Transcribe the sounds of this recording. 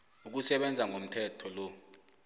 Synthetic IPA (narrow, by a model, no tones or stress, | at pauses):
uk̬usɛɓɛnd͡zʱaŋʱom̩tʰɛtʰɔlɔ